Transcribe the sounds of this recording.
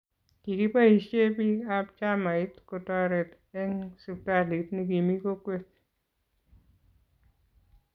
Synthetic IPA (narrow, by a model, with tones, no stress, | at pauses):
ki˨ki˦pa˦i˨ʃe˦pi˦a˦p̚t͡ʃa˦ma˨ɪ˦tko˨tɔ˦ɾɛ˨t | ɛ˦ŋsu˧p̚ta˦li˨˦tni˨ki˨mi˦ko˦kwe˦t̚